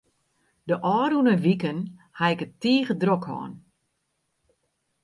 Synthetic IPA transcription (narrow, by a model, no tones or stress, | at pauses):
dəʔɔːɾunəʋikənhaɪkətiːɣədrokhɔ̰ːn